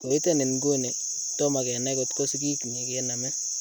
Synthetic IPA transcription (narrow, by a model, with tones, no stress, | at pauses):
ko˨i˦te˦ne˨nɡo˦ne˨ | to˦ma˨kɛ˨nɛ˦kotko˦si˦ki˦kni˨kena˨mɛ˦